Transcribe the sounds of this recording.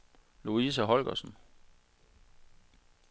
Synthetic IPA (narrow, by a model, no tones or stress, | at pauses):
luis̬æɦɒ̽lɡ̥ɐsn̩